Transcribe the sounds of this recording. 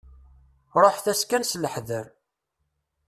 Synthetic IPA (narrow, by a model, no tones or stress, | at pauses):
ɾˤoħθæskænsləħðəɾ